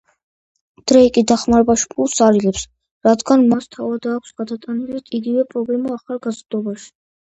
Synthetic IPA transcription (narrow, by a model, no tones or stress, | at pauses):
d̪̥ɾɛikʼid̪aχmaɾɛbaʃi̥pʰulˠsaɾilɛps | ɾad̪ɡanmast̪ʰavad̪aːkʰʷsɡ̥ad̪at̪ʼanilit̪ʼiɡivɛpʼɾɔblɛmaːχalˠɡazɾd̪ɔbaʃi̥